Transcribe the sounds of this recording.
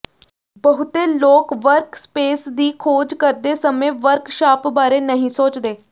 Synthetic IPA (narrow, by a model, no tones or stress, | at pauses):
bəɦʊt̪eːloːkʋəɾkspeːsd̪iːkʰoːd͡ʒkəɾd̪eːsəmẽːʋəɾkʃaːpbaːɾeːnəɦĩːsoːt͡ʃd̪eː